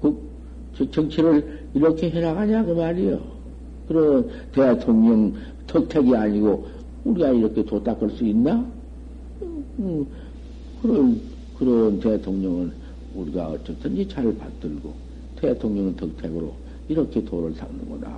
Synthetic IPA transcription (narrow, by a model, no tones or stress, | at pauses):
kɯ | t͡ɕt͡ɕʌŋt͡ɕʰiɾɯɭ | iɾʌkʰe̞ɦeɾaɣaɲakɯmaɾijo̰ | kɯɾʌn | tetʰoŋɲʌŋ | tʰʌk̚tʰeɡiaɲiɡo | uɾiɡaiɾʌkʰetot͈ak͈ɯɭs͈uinːa | ɯ | kɯɾʌn | kɯɾʌntetʰoŋɲʌŋɯn | uɾiɡa̰ʌ̰t͡ɕ͈ʌt͈ʰɯnd͡ʑit͡ɕaɭpa̰tt͈ɯɭɡo̰ | tetʰoŋɲʌŋntʰʌk̚tʰeɡɯɾo̰ | iɾʌkʰe̞toɾɯɭs͈ʰaŋnɯ̰ŋɡʌda̰